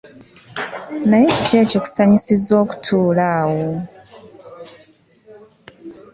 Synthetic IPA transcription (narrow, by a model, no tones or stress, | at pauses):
najeci̥ce̞ːcoku̥saɲisizo̞ːku̥tʰuːlaːwo